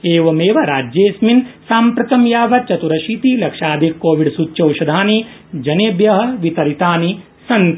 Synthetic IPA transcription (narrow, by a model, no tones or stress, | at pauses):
eːʋɐmeːʋɐɾaːd͡ʒjeːsminsaːmpɾɐt̪ɐmjaːʋɐt͡ʃɐt̪uɾɐʃiːt̪ilɐkʂaːd̪ʱikːoːʋiɖsutːt͡ʃɐwʃɐd̪ʱaːnid͡ʒɐneːbjɐɦɐ̆ʋit̪ɐɾit̪aːni | sɐnt̪